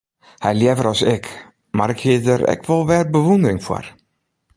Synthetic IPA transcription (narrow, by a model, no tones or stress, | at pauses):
hɛjljɛvəɾɔsɪk | marɪkhiətəɾɛ̰kʰʋɔlˠʋɛːrbəʋundərɪŋfwɔ̰r